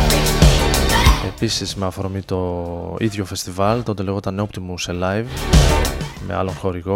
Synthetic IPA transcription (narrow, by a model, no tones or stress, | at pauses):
e̞pisizmeɐfoɾomit̪o̞iðʝo̞fe̞st̪ivɐlt̪o̞t̪e̞leɣot̪ɐneo̞pt̪imuselɐjv | me̞̰ɐ̰lo̞nxo̞ɾiɣo̞